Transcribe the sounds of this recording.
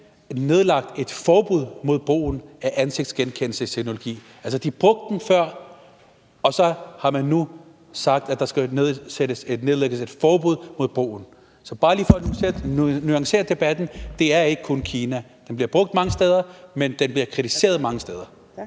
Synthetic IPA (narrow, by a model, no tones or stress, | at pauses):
ne̝ð̞ˠlɑ̈ɡ̥̚d̥e̝d̥fɒːb̥uð̞̰ˠmo̝ð̞̰ˠb̥ʁo̝̰ːn̩æʔænse̝ɡ̥̚d̥sɡ̥enkʰen̰l̩səit͡sʰeɡ̥no̝lo̝ɡ̥ḭː | æls̬əd̥ib̥ʁɔ̽ɡ̥̚d̥ːenfɶɐ̰ | ɒ̽sɒ̽hɑ̈mænːu | sɑ̈ɡ̥̚d̥æd̥ɑ̈sɡ̥æneðˠseɾ̥əse̝dne̝ð̞ˠleɡ̥əse̝d̥fɒːb̥uð̰ˠmo̝ð̞̰ˠb̥ʁo̝̰ːn̩ | sɒ̽b̥ɑ̈ːlḭːfɒ̽n | nyɑ̈ŋse̝̰ːɐd̥e̝b̥æd̥n̩d̥e̝æɐe̝ɡ̥əkʰɔ̽nkʰiːnæ | d̥enb̥liɐb̥ʁɔ̽ɡ̥̚d̥mɑ̈ŋəsd̥eːð̞ˠɐmend̥enbliɐkʰʁit͡sʰise̝̰ːɐð̞ˠmɑ̈ŋəsd̥eːð̞ˠɐ